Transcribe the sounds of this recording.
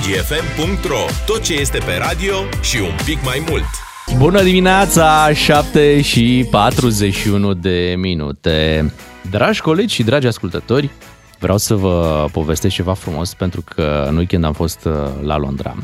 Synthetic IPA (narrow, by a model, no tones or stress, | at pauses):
d͡ʒiefe̞mpuŋk̚t̪ɾo̞t̪o̞t̪̚t͡ʃe̞je̞st̪e̞pe̞ɾad̪io̞ʃiumpikmajmult̪ | bunəd̪imineat̪saʃap̚t̪e̞ʃipat̪ɾuze̞ʃiunud̪e̞minṵt̪e | d̪ɾʔaʒʲko̞le̞d͡ʒʲʃid̪ɾad͡ʒʲaskult̪ət̪o̞rʲ | vɾeʔawsəvəpo̞ve̞st̪est͡ʃe̞vafɾumo̞spent̪ɾukʰə̰nujkɨnd̪amfo̞st̪la̰lo̰nd̪ɾa̰